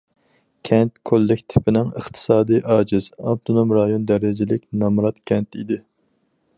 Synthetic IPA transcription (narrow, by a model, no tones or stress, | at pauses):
kʲʰɛnt̪̚kʰolːɪkʲt̪ʰɪ̥pʰɪnɪŋəχt̪ʰɨ̥sɑːd̪ɨjʔɑːd͡ʒɪz̥ɑb̚t̪ʰonomɾɑjond̪ɛɾɪd͡ʒɪlɪkʲnɑmɾɑt̪kʲʰɛnt̪id̪ɪ